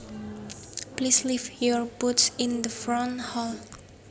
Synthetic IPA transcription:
plislivjɔɹbutsĩnd̪əfɹɔ̃nhɔl

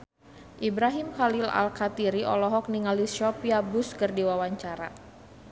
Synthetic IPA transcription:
ʔibɾaɦimxalila̰lkat̪iɾiʔɔlɔɦɔk̚niŋaliʃɔpiabuskərdiwawaɲt͡ʃaɾa̰

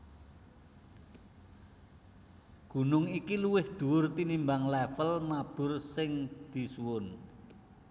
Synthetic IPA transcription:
ɡ̥ṳnʊŋikiluwɪhd̪̥ṳʊrt̪inimbaŋlɛfəlmab̥ʊ̤rsɪŋd̪̥i̤suwʊn

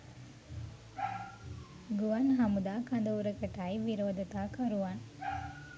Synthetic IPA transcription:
ɡuʋɐnɦɐmud̪aːkɐnd̪ɐuɾəkəʈajʋiɾoːd̪ɐt̪aːkɐɾuʋan

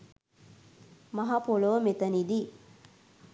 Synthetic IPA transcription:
maɦapoləʋəmet̪ənid̪i

